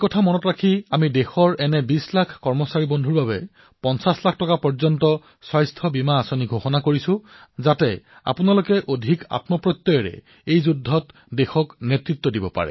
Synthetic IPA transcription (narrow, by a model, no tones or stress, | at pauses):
kɔtʰamɔnɔtɹakʰiamidexɔɹɛnɛbislakʰkɔɹmɔsaɹibondʱuɹbabɛ | pɔnsaslak̚ʰtɔkapɔɹzɔntɔ | swajstʰɔbimaːsoniɡʱoxɔnakoɹisʊ̃zatɛ | a̰punalokɛʔodʱika̰tmɔpɹɔt̪ːɔjɔɹɛ̰ | ejzudʱːɔt | dexɔknɛtɹit̪ːwɔdibɔ̰pa̰ɹɛ̰